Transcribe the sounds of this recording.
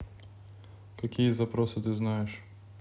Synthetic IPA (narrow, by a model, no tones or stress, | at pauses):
kɐkʲijɛzɐpɾɔsɨt̪ɨznajɪʂ